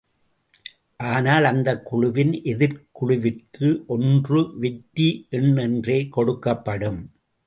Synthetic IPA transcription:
ʔaːnaːlɐnd̪ɐkːʊɻʊʋɪnʔɛðɪɾkʊɻʊʋɪrkɯʔɔndrɯʋɛʈːiʔɛɳːɛndreːkɔɽɯkːɐpːɐɽɯm

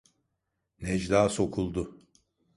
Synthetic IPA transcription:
nɛd͡ʒd̪aːso̞kʰulˠd̪ʊ

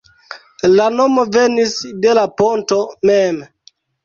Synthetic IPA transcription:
lano̞mo̞ve̞nisde̞laponto̞mem

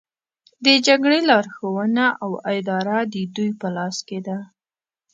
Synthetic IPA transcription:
d̪əd͡ʒaɡɽelɑɾxowənaʔawad̪ɑɾad̪əd̪ujpəlɑsked̪a

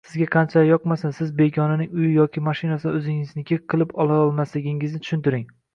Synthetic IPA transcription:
sɪzɡʲaqʰɑnt͡ʃʰajɒqmasansɪzbe̞ɡʲɒnɪnɪŋʊjɪjɒkʲɪmaʃɪnasɪɪɵzɪŋɪznɪkʲʰeqʰːɨlˠɪpɒlˠaɒlˠmaslɪɡʲɪŋɪznɪt̪ʰʊʃʊnt̪ɪɾɪŋ

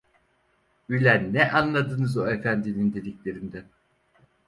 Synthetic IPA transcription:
ylʲænːɛʔanlˠad̪ɯnɯzoefænd̪inind̪e̞d̪iclʲe̞ɾind̪æ

